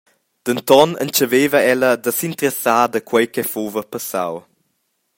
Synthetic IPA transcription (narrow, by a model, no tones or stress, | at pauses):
d̪̥ənt̪ɔnə̰nt͡ʃəveːvəɛləd̪əsint̪əɾəsaːd̪əkwəjkɛfuvəpəsa̰w